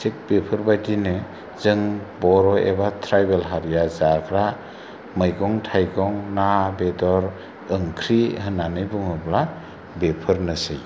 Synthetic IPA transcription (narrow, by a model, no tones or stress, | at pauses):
sʰek̚bepʰɯɾbadinɯ | zɯŋbɔɾɔḛbatʰɾajbelɦaɾijazaɾkʰɾa | mɯjɡɔŋtʰajɡɔŋnabedɔɾ | ɯŋkʰɾihɯnanɯjbɯŋɯbla | bepʰɯɾnɯsɯj